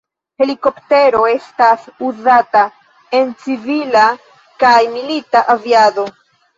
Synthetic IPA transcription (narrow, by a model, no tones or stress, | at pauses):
he̞liko̞pte̞ɾo̞e̞stasuzata | e̞nt͡sivila | kajmilitaʔaviado̞